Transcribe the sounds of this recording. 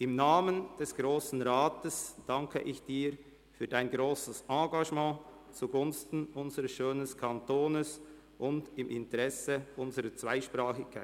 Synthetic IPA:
ʔɪmnaːmənd̥ɛsɡ̥ʁoːsn̩ʁaːtəsd̥aŋkʰə̰ʔɪçd̥iːɾ | fyːɐdaɪnɡɾoːsəsʔɑ̃ːɡaʒmɑ̃ː | t͡suɡʊnstn̩ʔʊnzəɾəsʃøːnəskʰantoːnəs | ʔʊndɪmʔɪntəʁɛsəʔʊnzəɾət͡sv̥aɪʃpʁaːxɪkʰːa̰ɪ

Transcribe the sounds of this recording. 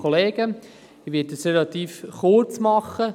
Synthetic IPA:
ɔleːɡ̥ə | ɪʋɪt̚dəsrelɑt̪iːfχʊt͡smɑχə

